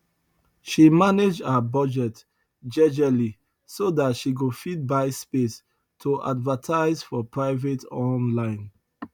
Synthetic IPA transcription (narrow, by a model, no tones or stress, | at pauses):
ʃimaned͡ʒabʌd͡ʒɛt | d͡ʒɛd͡ʒali | sodatʃiɡofid̚baɪspes | tʰoʔa̰dvətʰaɪzfɔpʰɹaɪvetɔ̃nlãɪ̃n